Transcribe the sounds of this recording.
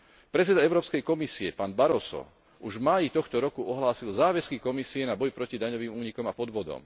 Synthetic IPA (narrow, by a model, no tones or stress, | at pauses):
pɾɛtt͡sɛd̪aɛʊɾɔːpskɛjkɔmisiɛpaːnbaɾɔsɔ̰ | uʒvmaːjit̪ɔxt̪ɔɾɔkuɔɦlaːsilzaːʋɛskikɔmisiɛnabɔjpɾɔcid̪aɲɔʋiːmuːɲikɔmapɔd̪ʋɔd̪ɔ̰m